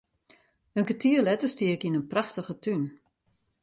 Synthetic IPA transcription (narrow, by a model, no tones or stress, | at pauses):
ənkətʰiəlɛtəstiəkinənpraxtəɣətyn